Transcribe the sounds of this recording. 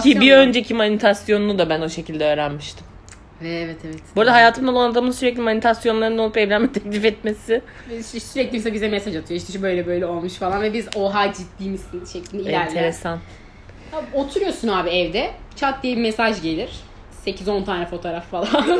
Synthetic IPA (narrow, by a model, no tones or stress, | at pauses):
cibiø̞nd͡ʒecʰimanit̪ʰasjo̞nunud̪abæno̞ʃe̞cʰilʲd̪ɛø̞ːɾænmiʃt̪ʰim | ɛvɛt̪ʰɛvɛt̪buɾd̪aɦajaːt̪ʰɯmˠalˠanad̪amɯsyɾɛclʲimanit̪ʰasjo̞nlˠaɾɯno̞lˠupɛvlʲæmit̪ʰeclʲifɛt̪mesɪ | ssyɾɛclʲibisɛbizɛmɛsaʒat̪ʰɯjoiʃt̪iʃbø̞jlʲɛbø̞jlʲɛo̞lˠmuʃfalˠanvɛbizo̞ɦad͡ʒit̪d̪ʲiːmist̪inʃeclʲinɛinæɾlʲʰeɾesan | haot̪ʰuɾujo̞sunaːbiɛvd̪ɛt͡ʃʰat̪̚d̪ijebimesaʒɟe̞lʲiɾ̥ | se̞cʰizo̞nt̪ʰaːnɛfo̞t̪ʰoɾaffalˠann